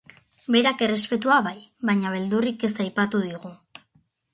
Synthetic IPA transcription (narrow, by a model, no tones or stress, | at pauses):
be̞ɾake̞re̞spe̞t̪̬uaβajβaɲaβe̞ld̪urike̞sajpat̪uðiɣu